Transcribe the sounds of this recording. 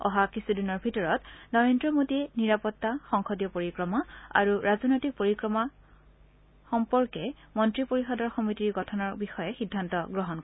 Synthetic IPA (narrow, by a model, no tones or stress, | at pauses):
ɔ̰ɦakisudinɔɹbʱitɔɹɔtnɔɹendɹɔmodiɛniɹapɔtːaxɔŋxɔdjɔpoɹikɹɔmaa̰ɹuɹazɔnɔjtik̚poɹikɹɔma | xɔmpɔɹkɛ | mɔntɹipoɹixɔdɔɹxɔmitiɹɡɔtʰɔnɔɹbixɔjɛxidʱːantɔɡɹɔɦɔnkɔ